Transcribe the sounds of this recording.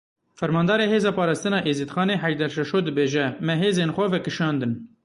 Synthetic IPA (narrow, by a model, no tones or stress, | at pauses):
fɛɾmɑːnd̪ɑːɾeːɦeːzɑːpɑːɾɑːst̪ɨnɑːʔeːzit̪xɑːneːħæʒd̪ɛɾʃɛʃoːd̪ɨbeːʒɛmɛɦeːzeːnxʷɛvɛkɨʃɑːnd̪ɨn